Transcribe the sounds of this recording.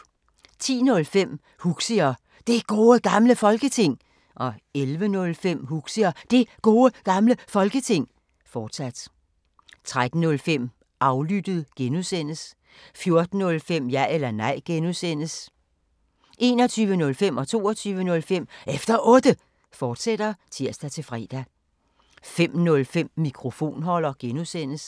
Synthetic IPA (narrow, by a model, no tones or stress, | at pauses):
t͡sʰḭːnɔ̽lfem̰ | huɡ̥siɐ | d̥e̝ɡ̥o̝ːəɡ̥ɑ̈mləfɒ̽lɡ̥ət͡sʰe̝ŋ̰ | ʔɒ̽elʋənɔ̽lfem̰huɡ̥siɐd̥e̝ɡ̥o̝ːəɡ̥ɑ̈mləfɒ̽lɡ̥ət͡sʰe̝ŋ̰ | fɒːd̥sæd̥ | t͡sʰʁad̥n̩nːɔ̽lfem̰ | ʔɑ̈ʊlyd̥ð̩ˠɡ̥enusen̰əs | fjo̝ɐd̥n̩ːɔ̽lfem̰jæelɐnɑ̈ɪ̰ɡ̥enusen̰əs | ʔe̝̰ːnɒ̽t͡sʰyːʋənɔ̽lfem̰ɒ̽t͡sʰo̝̰ːɒt͡sʰyːʋənɔ̽lfem̰efd̥ɐʔɔ̽ːd̥ə | fɒːd̥sed̥ɐt͡sʰiɐ̰sd̥æt͡sʰe̝fʁɛ̰ːd̥æ | fem̰nɔ̽lfem̰ːikʰʁo̝fo̝̰ːnɦɒ̽lɐɡ̥enusen̰əs